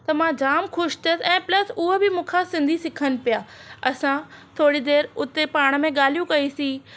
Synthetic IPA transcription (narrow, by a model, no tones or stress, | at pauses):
t̪ɐmãd͡ʑaːmxʊʃt̪ʰəsɛ̃ːplɐsʊɦobɪmũːkʰasɪ̃nd̪ʱisɪkʰənɪ̆pijaːɐsãt̪ʰoːɽid̪eːɾʊt̪epaːɽ̃ə̆mẽɠaːl̤ijũkɐisĩː